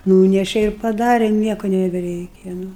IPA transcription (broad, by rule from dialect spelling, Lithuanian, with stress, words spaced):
ˈnuːnʲɛʃʲɛ ɪr pɐˈdɑːrʲɛ ˈnʲiɛkʊ nʲɛbʲɛˈrʲɛɪkʲɛ ˈnʊ